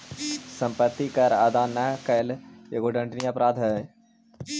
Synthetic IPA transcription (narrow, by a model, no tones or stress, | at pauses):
sɐ̃mpət̪ːikɐɾad̪aːnakɐljeɡoɖə̃ɳɖniɐpɾaːd̪ʱɦə